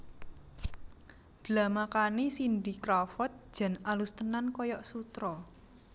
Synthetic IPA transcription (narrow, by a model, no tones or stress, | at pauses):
d̪̥lamakanisind̪ikɾafɔt̪̚d͡ʒ̥a̤nalust̪ənankɔjɔʔsut̪ɾɔ